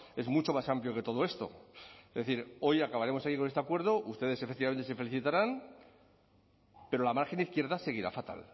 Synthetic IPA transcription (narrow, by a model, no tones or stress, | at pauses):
e̞zmut͡ʃo̞masampljo̞ke̞t̪o̞ðo̞e̞st̪o̞̰ezðeθiɾo̞jakaβaɾe̞mo̞sakikonest̪ekwe̞ɾðoʔust̪e̞ð̞e̞sefek̚t̪iβament̪ese̞fe̞liθit̪aɾan | pe̞ɾo̞lamaɾxe̞niθkje̞ɾðase̞ɣ̞iɾa̰fat̪a̰l